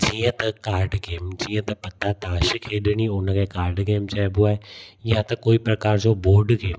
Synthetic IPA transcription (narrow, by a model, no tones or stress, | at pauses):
d͡ʒiːãt̪ɐkaːɾɖɡeːmd͡ʒiːjãːt̪ɐpət̪ːaːt̪aːʃkʰeːɗñiːʊnãkeːkaːɾɖɡeːmt͡ʃaɛbʊaːɛjãt̪ɐkoːiːpɾəkaːɾd͡ʒõːboːɾɖɡeːm